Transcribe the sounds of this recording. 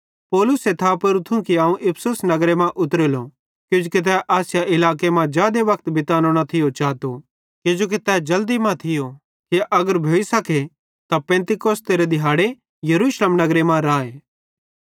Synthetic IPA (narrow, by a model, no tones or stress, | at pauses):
pɔːlʊset̪ʰaːpɐɾut̪ʰũkiaːũʔɪpʰsʊsnɐɡɾemãʔʊt̪ɾelo | kjʊd͡ʒukit̪̬ɛːʔaːsjaʔɪlaːk̬emãd͡ʒjaːd̪eʋɐkt̪bɪt̪aːnoːɽ̃at̪ʰɪjot͡ʃaːt̪o | kɪd͡ʒoːk̬it̪ɛːd͡ʒɐld̪imãt̪ʰɪjo | kiʔɐɡəɾbʱjoːisɐkʰe | t̪apɛ̃ːnt̪ɪkoːst̪eːɾed̪ɪɦaːɽe | jɐɾuːʃleːmnɐɡɾemãɾaːeː